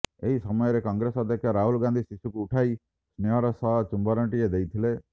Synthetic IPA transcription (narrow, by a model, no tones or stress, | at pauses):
eiːsəməeɾekãːŋɡɾeːsad̪ekaːɾaːɦʊlɡãːnd̪iːsɪsukuʊʈʰaːiː | snɪjaːɾasaːt͡ʃʊ̃mbaːɾə̃ɳʈɪeːd̪eiːt̪ʰɪleː